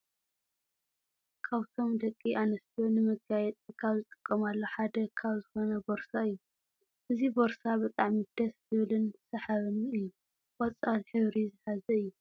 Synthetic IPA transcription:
kʰaβt̪ʰo̞md̪ɐkʼːiʔanɐst̪ʰonɨmɨɡajɛt̪ʼkʰaβzɨt̪ʼɨ̥kʼːɐmalːo̞ħad̪ɐkʰaβzɨxo̞nɐboɾsaɨjːu | ʔɨzibo̞ɾsabɨt̪ʼaʕmid̪̥ɐszɨβlɨnsɐħaβɨnɨjːu | wɐt͡sʼalħɨβɾizɨħazɐɨjːu

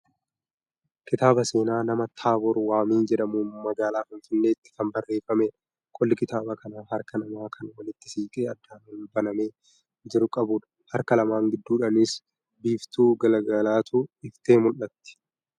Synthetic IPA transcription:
kɪt̪aːbɐse̞ːnaːnɐmɐt̪ʰaːbɔɾwaːmiːnd͡ʒɛᶑɐmuːmɐɡaːlaːfɪnfɪnːe̞ːɪt̪ːɪ̥kɐmbɐrːe̞ːfɐmeːᶑ | kʼɔlːɪkɪt̪aːbɐkɐnaːɦɐɾkɐnɐmaːkʰɐnwɐlɪt̪ːɪ̥siːkʼeːɐd̪ːaːnuːnbɐnɐme̞ː | d͡ʒɪɾʊkʼɐbuːᶑɐ̥ | hɐɾkɐlɐmaːŋɡɪd̪ːuːᶑɐnɪs | biːft̪uːɡɐlɐɡɐlaːt̪ʰuɪft̪e̞ːmʊlːɐt̪ːɪ̥

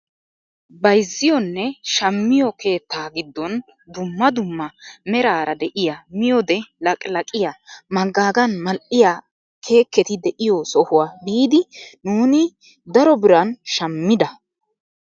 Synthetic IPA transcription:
bɐjzːɪjɔnːɛʃɐmːɪjɔkʰe̞ːt̪ːaːɡɪd̪ːɔn | d̪ʊmːɐd̪ʊmːɐmɛɾaːɾɐd̪ɛʔɪjamɪjɔd̪ɛlɐkʼlɐkʼɪjamɐɡːaːɡɐnmɐlʔɪja | kʰe̞ːkːɛt̪ɪd̪ɛʔɪjɔsɔhʊwaːbiːd̪ɪnuːnɪ | d̪ɐɾɔbɪɾɐnʃɐmːɪd̪ɐ

